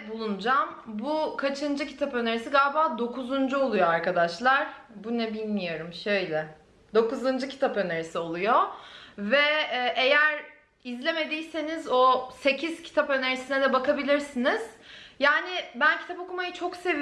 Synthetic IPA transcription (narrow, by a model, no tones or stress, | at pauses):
bulˠund͡ʒambukʰat͡ʃʰɯnd͡ʒɯcʰi̥t̪ʰapø̞ne̞ɾisiɡalʲbaːd̪o̞kʰuzund͡ʒuo̞lˠujoaɾkad̪aʃlˠaɾ | bunɛbilʲmijo̞ɾumʃø̞jlʲɛ | d̪o̞kuzɯnd͡ʒɯcʰi̥t̪ʰapø̞neɾisio̞lˠujovɛːʔejæɾ | izlʲe̞me̞d̪ijse̞nizose̞cʰiz̥cʰi̥t̪ʰapø̞neɾisinɛd̪ɛbakabilʲiɾsiniz̥jaːnɪbæncʰi̥t̪ʰapo̞kumajɯt͡ʃʰo̞kse̞v